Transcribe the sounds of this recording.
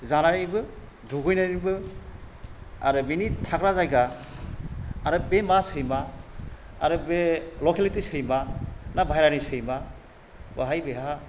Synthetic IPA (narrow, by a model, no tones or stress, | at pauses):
zanaɾibɯ | dʱuɡɯjnaɾibɯ | a̰ɾɯbinitʰakɾazajɡa | ɾɯbemasɯjmaː | ɾɯbelokelitisɯjmanabʱajɾanisɯjma | ba̰ɦajbeɦa